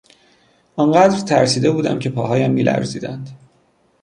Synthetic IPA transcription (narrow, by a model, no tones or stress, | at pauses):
ʔɒnɢæːd̪ɾt̪ʰæɾsiːd̪e̞buːd̪æ̰mcʰe̞pʰɒːɦɒːjæmːiːlʔæ̰ɾziːd̪æ̰nd̪̥